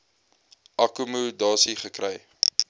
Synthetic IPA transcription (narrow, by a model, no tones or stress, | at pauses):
ʔɐkumudɑːsiχəkrɛj